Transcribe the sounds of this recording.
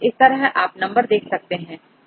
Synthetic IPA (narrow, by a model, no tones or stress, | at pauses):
ɪst̪ɐɾəɦʔaːpnɐ̃mbəɾd̪eːkʰsɐk̚t̪eɦɛ̃ː